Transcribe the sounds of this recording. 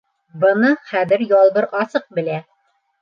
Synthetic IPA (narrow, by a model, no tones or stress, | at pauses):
bɤ̆nɤχæðɘɾjɒlˠbɤɾɒsɤq̚bɘ̆læ